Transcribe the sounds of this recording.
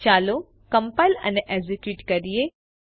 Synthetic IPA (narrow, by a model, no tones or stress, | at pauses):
t͡ʃaːlo | kɐmpaːjlɐ̰neʔezikjuːʈkɐɾije